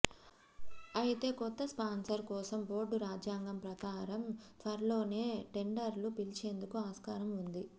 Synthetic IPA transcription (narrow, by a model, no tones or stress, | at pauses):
ɐjit̪e̞ːkɔt̪ːɐspaːnsɐɾkɔːsɐmbo̞ːɾɖuɾaːd͡ʒjaːŋɡɐmpɾɐkaːɾɐmt̪ʋɐɾɐlo̞ːne̞ːʈe̞ɳɖɐɾlupilt͡ʃe̞ːnd̪ukuaːskaːɾɐmund̪i